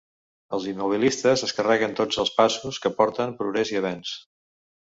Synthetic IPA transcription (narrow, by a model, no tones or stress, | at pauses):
əlˠzimːuβ̞ilist̪əzəskərɛɣənt̪od͡zəlˠspasuskəpɔɾt̪əmpɾuɣɾɛziəβɛns